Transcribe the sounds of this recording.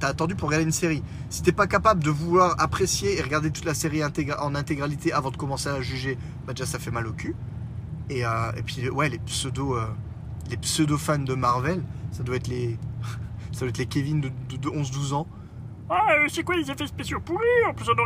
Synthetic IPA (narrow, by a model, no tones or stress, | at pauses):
t̪yaːt̪ɑ̃d̪ypuʁəɡaʁd̪eynseʁi | si̥t̪ɛpakapabləd̪əvulwaʁapχesjeːʁəɡaʁd̪et̪u̥t̪laseʁiɛ̃t̪eɡʔɑ̃nɛ̃t̪eɡʁalit̪eʔavɑ̃d̪əkɔmɑ̃seaʒyʒe | bad̪eʒasafɛmalokʲy | eøḛpɥiwɛlepsød̪oø | lepsød̪ofand̪əmaʁvɛlsad̪waɛt̪le | sad̪wɛt̪lekʲevind̪əd̪əd̪əɔ̃zd̪uzɑ̃ | wasɛkwalezefɛspesjopuʁiɑ̃plysd̪ɔ̃